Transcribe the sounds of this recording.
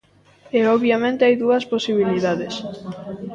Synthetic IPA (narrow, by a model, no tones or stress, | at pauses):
eɔβjamẽnt̪eajðuɐsposiβiliðaðes